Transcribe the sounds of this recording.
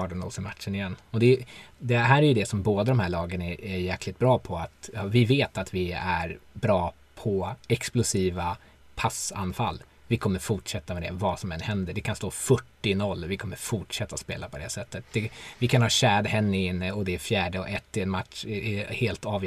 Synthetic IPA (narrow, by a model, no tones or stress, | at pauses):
ɑːɖɛnɔ̰ːsɪmat̪ʂənɪjɛnːɔd̪ɛd̪ɛhæːɾæɾjɵd̪ɛsɔmboːd̪ad̪ɔmhæːɭɑːɡənæɛɾjæːklɪk̚t̪̚bɾɑːpʰɔat̪ɑvɪveːt̪at̪vɪæɾbɾɑː | pʰɔɛksplʊsiːva | pʰasa̰nfalː | vɪkʰɔmːəɾfʊʈʂɛt̪ːamɛd̪ɛ̰vasɔmɛnːhɛnd̪əɖɛkʰanst̪oːfœʈːɪnɔlːvɪkʰɔmːəɾfʊʈʂɛt̪ːaɔspḛːlapʰɔd̪ɛ̰sɛt̪ːət̪̚d̪̥ɛvɪkʰanhɑːɕæːd̪hɛnːəɪnːəɔd̪ɛɛfjæːɖəɔʔɛt̪ːɪɛnmat̪ʂɛheːlt̪ɑːv